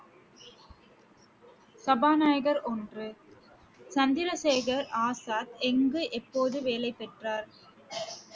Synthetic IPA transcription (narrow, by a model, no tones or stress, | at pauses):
sɐbaːnaːjɐɣɐɾʔɔndrɯ | sɐnd̪ɪɾɐseːɣɐɾaːsaːt̪ɛŋɡɯʔɛpːoːðɯʋeːlɐɪpːɛʈraːɾ